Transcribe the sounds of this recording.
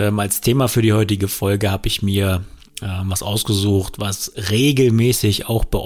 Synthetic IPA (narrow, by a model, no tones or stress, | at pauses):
ɛːmalstʰeːmafyːɐdiːhɔʏtɪɡəfɔlɡəhaːbəɪçmiːɐ | ʔɛːmvasʔaʊsɡ̥əzuːxtvasʁeːɡl̩mɛːsɪça̰ʊxb̥əʔ